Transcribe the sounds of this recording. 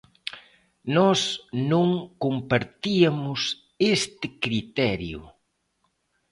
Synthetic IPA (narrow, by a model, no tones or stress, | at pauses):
nɔsnõŋkompaɾt̪iɐmʊs | est̪ɪkɾit̪ɛɾjʊ̰